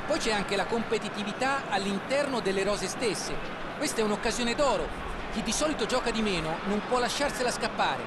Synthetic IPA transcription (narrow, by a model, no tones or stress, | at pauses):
pːɔjt͡ʃɛaŋk̟elakompet̪it̪ivit̪aalːint̪ɛrnod̪elːeɾɔːzest̪esːe | kwest̪ɛunokːazjoːned̪ɔːɾo | k̟id̪ːisɔːlit̪od͡ʒɔːkad̪imɛːnonompwɔlːaʃːarselaskapːaːɾḛ